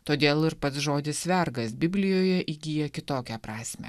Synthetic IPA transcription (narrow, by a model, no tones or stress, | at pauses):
t̪oːd̪ʲeːlˠɪɾpɐt̪sʒoːd̪ʲɪsʲʋʲɛɾɡɐsbʲɪbʲlʲɪjoːjɛʔiːɡʲiːjɛkʲɪt̪oːkʲɛpɾɑːsʲmʲɛ̰